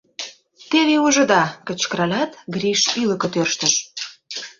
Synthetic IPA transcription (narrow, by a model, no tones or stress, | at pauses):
t̪eβeuʒə̆d̪ɑkə̆t͡ɕkəɾɑlʲɑt̪ɡɾiʃylə̆kə̆t̪ørʃt̪ə̆ʃ